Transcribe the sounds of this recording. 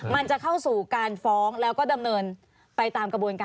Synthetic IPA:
ma˧nt͡ɕa˨˩kʰa˥˩wsuː˨˩kaː˧nfɔː˦˥ŋlɛː˦˥wkɔː˥˩da˧mnɤː˧n | pa˧jt̪aː˧mkɾa˧bu˧ənkaː˧

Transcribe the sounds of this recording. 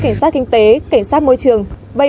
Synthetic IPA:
ka˧˩jŋ̟saː˦˥kï˧ŋ̟t̪e˨˦ka˧˩ŋ̟saː˦˥t̚mo˧jt͡ɕɨ˨˩˨əŋ | ɓə˧˩

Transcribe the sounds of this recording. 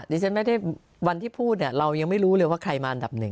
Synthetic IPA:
diː˧t͡ɕʰa˦˥nma˥˩da˥˩j | wa˧nt̪ʰiː˥˩pʰuː˥˩t̪̚ni˥˩ɾa˧wja˧ŋma˥˩jɾuː˦˥lɤː˧jwaː˥˩kʰɾa˧jmaː˧ʔa˧nda˨˩p̚nɯ˨˩ŋ

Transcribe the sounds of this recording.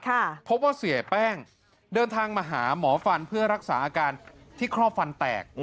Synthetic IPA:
kʰa˥˩pʰo˦˥p̚waː˥˩si˨˩˦pɛː˥˩ŋ | dɤː˧nt̪ʰaː˧ŋmaː˧ɦa̰ː˩˦mɔː˩˦fa˧npʰɯ˥˩ɐɾa˦˥k̚saː˩˦ʔaː˧kaː˧nt̪ʰiː˥˩kʰɾɔː˥˩p̚fa˧nt̪ɛ̰ː˨˩k̚

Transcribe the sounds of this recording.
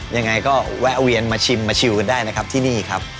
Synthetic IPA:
ja˧ŋːa˧jkɔː˥˩wɛ˦˥ʔwi˧ənmaː˧t͡ɕʰi˧mːaː˧t͡ɕʰi˧wka˧ndaː˥˩jna˦˥kʰa˦˥p̚t̪ʰiː˥˩niː˥˩kʰa˦˥p̚

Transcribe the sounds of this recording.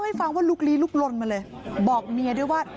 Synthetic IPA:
wha˥˩jfa˧ŋwaː˥˩luː˦˥˩k̚liː˦˥luː˥˩k̚lo˧nma˧lɤː˧j | bɔː˨˩k̚mi˧ɐdu˥˩jwaː˥˩

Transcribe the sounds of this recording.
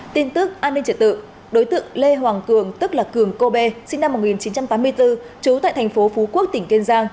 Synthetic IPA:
t̪i˧nt̪ɨ˦˥k̚ʔaː˧nːi˧ŋt͡ɕi˨˩t̪̚ɨ̰˧˨ | ɗo˨˦jt̪ɨ̰˧˨əŋle˧ɦwaː˨˩ŋkɨ˧˩əŋt̪ɨ˦˥k̚laː˨˩kɨ˨˩əŋko˧ɓe˧sï˧ŋna˧mːo˨˩t̚ŋi˨˩nt͡ɕi˨˦nt͡ɕa˧mt̪aː˨˦mɨ˧əjt̪ɨ˧ | t͡ɕu˨˦t̪a̰ː˧˨t̪ʰa˨˩ŋ̟fo˨˦fu˨˦ku˦˥ək̚t̪ï˧˩ŋ̟ke˧nzaː˧ŋ

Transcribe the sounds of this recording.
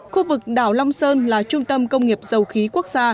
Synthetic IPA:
xu˧vɨ˨˩k̚ɗa̰ː˧˩wla˧wŋ͡msəː˧nlaː˨˩t͡ɕʊ˧ŋ͡mt̪ə˧mkə˧wŋ͡mŋi˨˩əp̚z̥ə˨˩wxi˨˦ku˦˥ək̚zaː˧

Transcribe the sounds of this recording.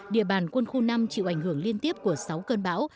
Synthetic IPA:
ɗḭ˧˨əɓaː˨˩nkwə˧nxu˧na˧mt͡ɕḭ˧˨wʔa˧˩jŋ̟hɨ˧˩əŋli˧ənt̪i˦˥əp̚ku˧˩əsa˨˦wkəː˧nɓa̰ː˧˥w

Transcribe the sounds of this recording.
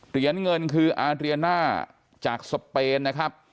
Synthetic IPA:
ɾi˧˩ənŋɤ˧nkʰɯː˧ʔaː˧ɾi˧nːaː˥˩ | t͡ɕaː˨˩k̚so˧pːeː˧nːa˦˥kʰɾa˦˥p̚

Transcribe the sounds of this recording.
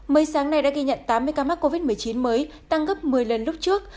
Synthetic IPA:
məː˨˦jsaː˨˦ŋna˧jɗa̰ː˧˥ɣi˧ɲə̰˧˨nt̪aː˨˦mːɨ˧əjkaː˧maː˦˥t̚ko˧vi˦˥t̚mɨ˨˩əjt͡ɕi˨˦nməː˨˦j | t̪a˧ŋɣə˦˥p̚mɨ˨˩əjlə˨˩nlʊ˦˥k͡p̚t͡ɕɨ˦˥ək̚

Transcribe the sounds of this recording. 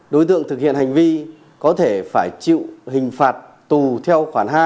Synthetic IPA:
ɗo˨˦jt̪ɨ̰˧˨əŋt̪ʰɨ˨˩k̚hḭ˧˨ənha˨˩jŋ̟vi˧ | kɔ˨˦t̪ʰe˧˩faː˧˩jt͡ɕḭ˧˨whï˨˩ŋ̟faː˨˩t̚ | t̪u˨˩t̪ʰɛ˧wxwaː˧˩nɦaː˧

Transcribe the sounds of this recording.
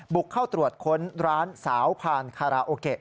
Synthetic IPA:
bu˨˩kʰːaː˥˩wt̪ɾu˨˩ət̪̚kʰo˦˥nɾaː˦˥nsaː˩˦wpʰaː˧nkʰaː˧ɾaː˧ʔoː˧ke˨˩ʔ̚

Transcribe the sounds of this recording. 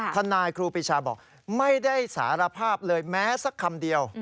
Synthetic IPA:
t̪ʰa˧nːaː˧jkʰɾuː˧pi˧t͡ɕʰaː˧bɔ̰ː˨˩k̚ | ma˥˩jda˥˩jsa̰ː˩˦ɾa˧pʰaː˥˩p̚lɤː˧jmɛː˦˥sa˦˥kʰːa˧mdi˧əw

